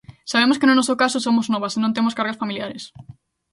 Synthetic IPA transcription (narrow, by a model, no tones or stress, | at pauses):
saβemoskɪnʊnɔsokasosomoznɔβɐsenõnt̪̬emoskaɾɣɐsfamiljaɾes